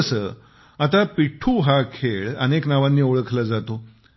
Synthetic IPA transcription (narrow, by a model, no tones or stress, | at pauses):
sə | at̪apiʈʰuːɦakʰeɭə̰neknaʋanːiːoɭəkʰlad͡zat̪o